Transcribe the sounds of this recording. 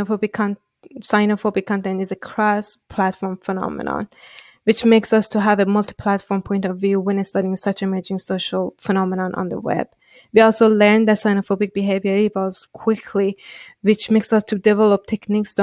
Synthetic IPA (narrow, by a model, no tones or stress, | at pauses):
ofobikʰn | saɪnofobikʰːɑ̃ntɛ̃ntizekʰɹaspʰl̥ætfɔɹmfɛnɑ̰mə̰nə̰̃n | wɪt͡ʃmeksʌstʰuɦævəmʌlˠti̥pʰl̥ætfɔɹmpʰɔ̃j̃ntɔvːjuwɛ̃nɪstʌɾiɪ̃ŋsʌt͡ʃmə˞d͡ʒɪ̃ŋsoʃəlˠfənɑmənə̃nʔə̰̃nðə̰wɛ̰b̥̚ | wiɔlˠsolɛɹnd̪ətsajnofobik̚b̥iɦevjə˞ivɔlz̥kʰw̥ɪkʰliwɪt͡ʃmeksʌstʰudɛvɛlˠɔp̚t̪ʰɛkniks